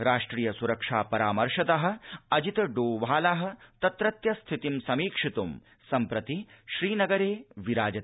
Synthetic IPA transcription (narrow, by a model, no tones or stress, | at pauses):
ɾaːʂʈɾiːjɐsuɾɐkʂaːpɐɾaːmɐɾʃɐt̪ɐɦɐ̆ɐd͡ʒit̪ɐɖoːʋaːlaːɦɐ̆t̪ɐt̪ɾɐt̪jɐst̪ʰit̪imsɐmiːkʂit̪um | sɐmpɾɐt̪i | ʃɾiːnɐɡɐɾeːʋiɾaːd͡ʒɐt̪